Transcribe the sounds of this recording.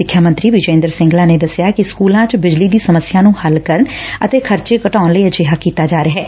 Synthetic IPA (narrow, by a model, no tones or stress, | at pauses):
ɪkʰːjaːmə̃nt̪ɾiːʋɪd͡ʒẽːnd̪əɾsɪ̃ŋɡlãːneːd̪əsɪjaːkɪskuːlãːt͡ʃbɪd͡ʒliːd̪iːsəməsɪjaːnũːhəlkəɾənət̪eːkʰəɾt͡ʃeːkəʈaːnləiːəd͡ʒeːɦaːkiːt̪aːd͡ʒaːɾeɦɛː